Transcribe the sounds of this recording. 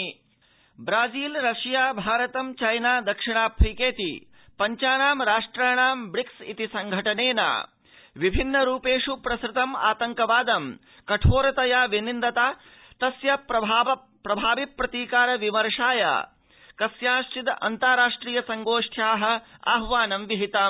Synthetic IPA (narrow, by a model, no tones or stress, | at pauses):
bɾaːd͡ʒiːlɾɐʂjaːbʱaːɾɐt̪ɐmt͡ʃɐjnaːd̪ɐkʂiɳaːpʰɾikeːt̪ḭ | pɐɲt͡ʃaːnaːmɾaːʂʈɾaːɳaːmbɽiksḭt̪isɐŋɡʱɐʈɐneːna̰ː | ʋibʱinːɐɾuːpeːʂupɾɐsɾɪt̪ɐma̰ːt̪ɐŋkɐʋaːd̪ɐm | kɐʈʰoːɾɐt̪ɐjaːʋinind̪ɐt̪aː | t̪ɐsjɐpɾɐbaɐ | pɾɐbʱaːʋipːɾɐt̪iːkaːɾɐʋimɐɾʂaːja̰ː | kɐsjaːʃʈid̪ɐ̰nt̪aɾaːʂʈɾiːjɐsɐŋɡoːʂʈʰjaːɦɐ̆a̰ɦʋaːnɐmʋiɦit̪aːm